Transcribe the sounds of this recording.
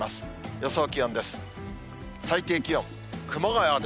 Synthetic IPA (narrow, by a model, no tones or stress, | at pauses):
masɨ̥josoːkʲiõnd̪e̞sɨ̥ | sait̪eːkʲijõŋ | kɯ̟maɡajead̪